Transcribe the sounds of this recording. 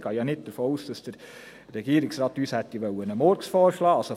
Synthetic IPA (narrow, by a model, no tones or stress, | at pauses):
ɡ̥ɑːjɑːnɪt̚d̥əɾfoːuːsd̥ɑsd̥əɾː | ɛɡ̥iːəɾɪksɾɑːt̪yːshɛt̪ːiʋœwənəmɔːɾksfɔːɾʃlɑːɑso